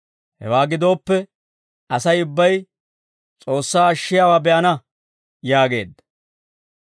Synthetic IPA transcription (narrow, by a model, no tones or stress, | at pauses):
hɛ̰waːɡɪd̪o̞ːpːɛ | ɐsɐjʊbːɐj | t͡sʼo̞ːsːaːɐʃːɪjaːwaːbɛʔɐnɐ | jaːɡe̞̰ːd̪ːɐ